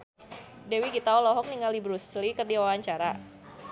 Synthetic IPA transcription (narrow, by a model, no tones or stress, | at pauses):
dɛwikit̪aɔlɔɦɔk̚niŋalibɾuslikərdiwawaɲt͡ʃaɾa